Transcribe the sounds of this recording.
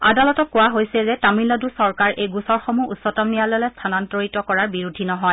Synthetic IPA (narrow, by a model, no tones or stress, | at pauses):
a̰dalɔtɔkʊwaɦojsɛzɛtamilɔdusɔɹkaɹʔejɡusɔɹxomuusːɔtɔmnijalɔlɛstʰanantoɹitɔkɔɹaɹbiɹudʱinɔɦɔj